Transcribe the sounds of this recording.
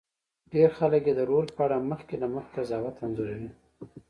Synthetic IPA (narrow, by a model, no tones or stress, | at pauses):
ɖeɾxaləkjed̪əɾolpəaɽaməxkenaməxt̪azɑwat̪anzoɾawi